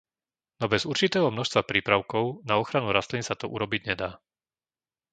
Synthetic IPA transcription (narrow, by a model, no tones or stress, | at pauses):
nɔbɛzuɾt͡ʃit̪ɛːɦɔmnɔʃst̪ʋapɾiːpɾaʊkɔʊnaɔxɾanuɾast̪linsat̪ɔʔṵɾɔbiɟɲɛd̪aː